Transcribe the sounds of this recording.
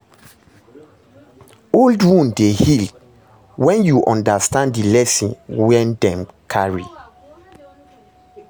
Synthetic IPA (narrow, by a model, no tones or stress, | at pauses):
oldwũndehild | wɛ̃njuʔɔ̃ndastãnddilɛsĩnwɛ̃ndɛ̃mkʰaɹḭ